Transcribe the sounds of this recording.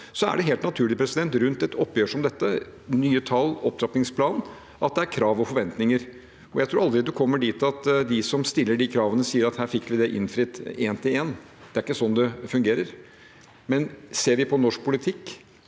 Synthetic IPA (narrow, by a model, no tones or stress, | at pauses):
sɔæ̰ɖɛɦeːlt̪nɑt̪ʰʉːɭɪpʰɾɛsɪd̪ɛnt̪ɾʉnt̪ɛt̪ɔpːjøːʂɔmd̪ɛt̪ːənyːət̪ʰɑlɔp̚t̪ɾɑpnɪŋspʰlɑːn | ʔɑt̪̚d̪ɛæɾkʰɾɑːʋɔfɔɾʋɛnt̪nɪŋəɾ | ɔjæɪt̪ʰɾuːɾɑld̪ɾɪd̪ɛkʰɔmːəɖiːt̪ɑt̪d̪ɪsɔmst̪ɪlːəɖikʰɾɑːʋənəsiːəɾɑt̪hæːɾfɪkːʋɪd̪ɛʔɪ̰nfɾɪt̪ːeːnt̪ʰɪleːn | d̪̥ɛæɾɪkːəsɔnːd̪ɛfʉŋɡeːɾəɾ | mɛnseːɾʋɪpʰɔnɔʂk̚pʰʊlɪt̪ʰɪkː